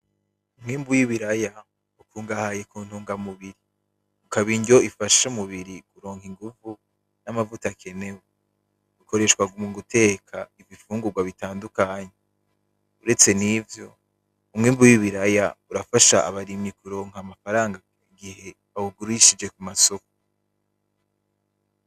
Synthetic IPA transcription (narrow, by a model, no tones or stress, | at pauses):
umŋiːmbujiβiɾaja | ukuːŋɡahaːje̞kuːntuːŋɡamuβiɾi | ukaβiːɲɟo̞ifaʃomuβiɾikuɾo̞ːŋhiŋɡuvu | namavutakʰe̞ne̞we | uko̞ɾe̞ʃkwaɡumuɡutʰe̞ːkʰaivifuːŋɡuɡwaβitaːndukaːɲe | uɾe̞t͡se̞nivjo̞ | umŋiːmbujiβiɾajauɾafaʃaʔa̰βaɾimɲikuɾo̞ːŋ̥amafaɾaːŋɡa | iɡihe̞ | auɡuɾiʃid͡ʒe̞kumaso̞ko̥